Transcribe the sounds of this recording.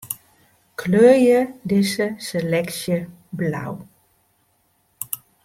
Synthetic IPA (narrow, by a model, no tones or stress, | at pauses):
kʰløːjədɪsəselɛksjə | bla̰w